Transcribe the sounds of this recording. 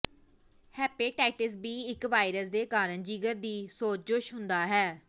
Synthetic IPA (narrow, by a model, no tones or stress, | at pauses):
hɛːpeːʈɛːʈɪs̬biːɪkʋaːɪɾəs̬d̪eːkaːɾənd͡ʒiːɡəɾd̪iːsoːt͡ʃd͡ʒʊʃɦʊnd̪aːɦɛː